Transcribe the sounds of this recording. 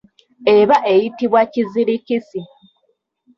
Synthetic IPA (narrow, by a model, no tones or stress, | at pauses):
e̞βaʔe̞jitiβwaciziɾicisi